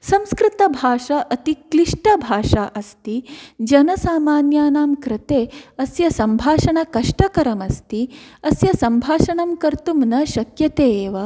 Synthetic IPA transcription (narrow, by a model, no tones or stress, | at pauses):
sɐmskɾɪt̪ɐbʱaːʂɐʔɐt̪ikliʂʈɐbʱaːʂaːʔɐst̪id͡ʒɐnɐsaːmaːnjaːnaːmkɾɪt̪eːɐsjɐsɐmbʱaːʂɐɳɐkɐʂʈɐkɐɾɐmɐst̪iɐsjɐsɐmbʱaːʃɐɳɐmkɐɾt̪umnɐʃɐkjɐt̪eːʋɐ